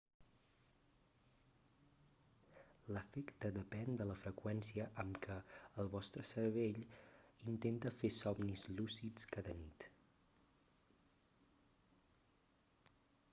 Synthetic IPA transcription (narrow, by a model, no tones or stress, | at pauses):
ləfɛkt̪əðəpɛnd̪ələfɾəkwɛnsiəʔəmkʰəəlˠβɔst̪ɾəsəɾβ̞eʎint̪ent̪əfesɔɡnizlusit͡skaðənit̪